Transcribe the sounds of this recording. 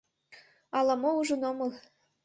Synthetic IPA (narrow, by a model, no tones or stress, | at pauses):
ɑlˠɑmouʒɤnomɤ̆lˠ